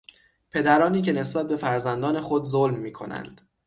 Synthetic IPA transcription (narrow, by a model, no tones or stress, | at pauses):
pʰe̞d̪æɾɒːniːce̞ne̞sbæt̪̚be̞fæɾzænd̪ɒːne̞xod̪zolmːiːkʰo̞̰næ̰nd̪̥